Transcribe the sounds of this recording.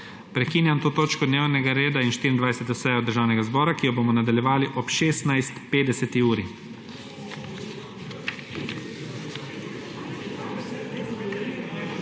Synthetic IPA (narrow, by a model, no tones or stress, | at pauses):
pɾɛkiːnjamt̪oːt̪oːt͡ʃkɔd̪neːwnɛɡaɾeːd̪ainʃt̪iɾind̪ʋajsɛt̪ɔsɛjɔd̪əɾʒaːwnɛɡazbɔːɾakiːjɔboːmɔnad̪aljɛʋaːliʔɔpʃeːst̪najst̪peːd̪ɛsɛt̪iuːɾi